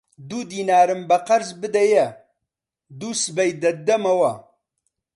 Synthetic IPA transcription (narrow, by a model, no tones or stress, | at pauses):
d̪ud̪iːnaːɾɨmbɐqɐɾzbɨd̪ɐjɐ | d̪uːsɨbɐjd̪ɐd̪ɐmɐwɐ